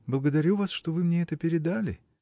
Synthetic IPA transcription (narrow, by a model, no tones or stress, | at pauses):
blˠəɡəd̪ɐɾʲuvasʂt̪o̞vɨmnʲeɛt̪əpʲɪɾʲɪd̪alʲɪ̰